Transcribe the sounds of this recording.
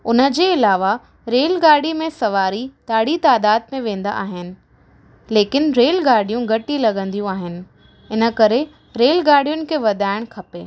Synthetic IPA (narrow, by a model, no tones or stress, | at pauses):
ʊnə̆d͡ʑeːɪlaːʋa | ɾeːlɡaːɽimẽsɐʋaːɾit̪aːɽit̪aːd̪aːd̪̚mẽʋẽːnd̪a̰ʔaːɦɪnɪ̆ | leːkɪnɾeːlɡaːɾɽ̤ijũɡʱɐʈilɐɡə̃nd̪ijũaːɦɪnɪ̆ | ɪnə̆kɐɾe | ɾeːlɡaːɾɽijʊnɪ̆kʰeːʋɐd̪ʱaːɪɽ̃kʰɐpeː